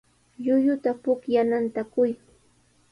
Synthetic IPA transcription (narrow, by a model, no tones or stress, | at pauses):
ʎʊjʊt̪apʊkjanant̪akʊj